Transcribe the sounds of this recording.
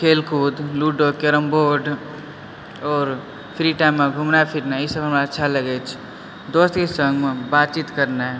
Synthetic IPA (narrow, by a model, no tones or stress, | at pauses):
kʰeːlkʰuːd̪luːɖokeɾəmboːɾɖ | ɔːɾ | pʰɾiʈaːɪmːeɡʱumnapʰiɾnaisəbʱɦɐmɾaːtːʃʰaləɡet͡ʃʰ | d̪oːst̪kesə̃ŋɡmẽbaːt̪t͡ʃit̪kəɾna